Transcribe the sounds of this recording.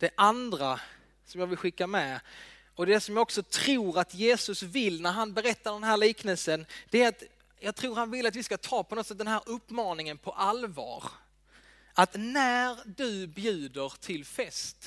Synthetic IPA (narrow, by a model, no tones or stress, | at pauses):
d̪̥ɛʔand̪ɾa | sɔmjɑːɡvɪlɧɪkːamɛ | ɔd̪ɛsɔmjɑːɔksɔt̪ʰɾuːɾat̪jeːsɵsvɪlnæɾɦanbɛɾɛt̪ːaɖɛnɦæːɾliːknəlsənd̪̥ɛæɾat̪ | jɑːɡ̚t̪ʰɾuːɾhanvɪlːat̪vɪskat̪ʰɑːpʰɔnɔt̪ːsɛt̪̚d̪ɛnɦæːɾɵpːmɑːnɪŋənpʰɔʔalvɑ̰ːɾ | ʔat̪næɾd̪ɵbjʉ̟ːd̪əɾt̪ʰɪlfɛst̪